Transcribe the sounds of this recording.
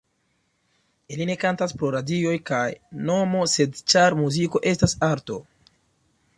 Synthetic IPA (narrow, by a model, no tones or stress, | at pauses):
iline̞kantaspɾo̞ɾadio̞jkajno̞mo̞se̞dt͡ʃaɾmuziko̞ʔe̞stasaɾto̞̰